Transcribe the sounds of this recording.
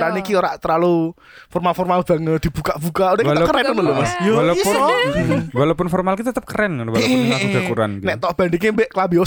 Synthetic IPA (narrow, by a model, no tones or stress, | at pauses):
ɾanikioɾaʔt̪əɾalo | fɔrmalfɔrmalb̥a̤ŋnəd̪̥i̤b̥ṳkaʔb̥ukaodakikəɾɛnənbəlomasjoaloɔwalopʊnfɔrmalkit̪ət̪əp̚kəɾɛnwadakuɾa̰nnɛʔt̪ɔb̥anikembɛʔklabio